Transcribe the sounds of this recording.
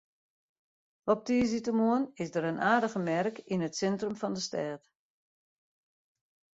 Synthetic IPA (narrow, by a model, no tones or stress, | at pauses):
ɔp̚tiːz̬itəmuənɪsdəɾənʔaːdəɣəmɛrkinətsɛntrəmfɔndəstɛːt